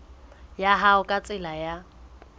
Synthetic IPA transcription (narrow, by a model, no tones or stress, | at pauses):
jaɦaʊkʼat͡sʼɪlaja